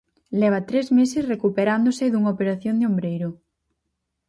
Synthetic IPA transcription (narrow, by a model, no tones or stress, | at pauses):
lɛβ̞at̪ɾezmesɪsrekupeɾand̪osɪðuŋaopeɾaθjond̪eombɾejɾʊ